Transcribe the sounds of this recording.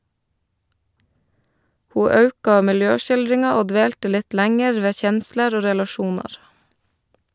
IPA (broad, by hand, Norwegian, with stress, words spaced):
ˈhuː ˈɑʉkɑ mɪlˈjøːʃɪlˌdɾɪŋɑ ˈoː ˈdʋeːltə ˈlɪt ˈlæŋɛɾ ˈʋeː ˈçɛnsləɾ ˈoː ɾɛlɑˈʃuːnɑɾ